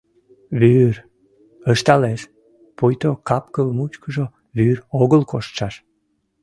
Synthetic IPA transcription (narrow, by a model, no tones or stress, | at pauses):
βyr | əʃt̪ɑleʃ | pujt̪okɑpkəlmut͡ɕkəʒo | βyɾoɣəlkoʃt̪ʃɑʃ